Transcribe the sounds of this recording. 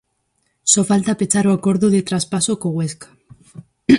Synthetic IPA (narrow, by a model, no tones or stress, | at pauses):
so̞falt̪apet͡saɾoako̞ɾðuðet̪ɾaspasokoɣweskḁ